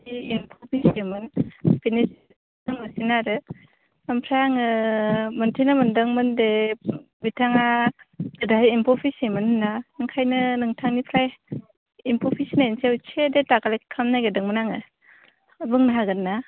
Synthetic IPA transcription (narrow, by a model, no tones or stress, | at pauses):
iimpʰɔpʰisemɯnpinis | ɯŋɯsinaɾɯ | ampʰɾaŋɯmɯntʰinɯmɯndɯŋmɯnde | bitʰaŋaɡɯdaɦjːmpʰɔpʰisemɯnhɯnːaɯŋkʰajnɯnɯŋtʰaŋnipʰɾaj | impʰɔpʰisinainsewt͡ʃʰedetakalekkʰːamnajɡɯdɯŋmɯnaŋɯ | bɯŋnaɦaɡɯnːa